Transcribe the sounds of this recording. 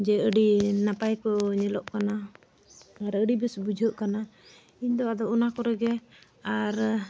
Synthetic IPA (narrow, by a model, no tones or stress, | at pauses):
d͡ʒɛəɖinapajkɔɲɛlɔʔkanaː | ɾəɖibɛsbud͡ʒʱəʔkana | iɲd̪ɔad̪ɔʔunakɔɾɛɡɛ | aɾ